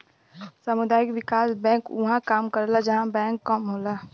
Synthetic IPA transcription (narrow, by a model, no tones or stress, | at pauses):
samʊd̪aːɪkʋɪkaːsbɛ̃ːkʊ̰ɦãkaːmkəɾlad͡ʒəɦãbɛ̃ːkːəmɦoːlaː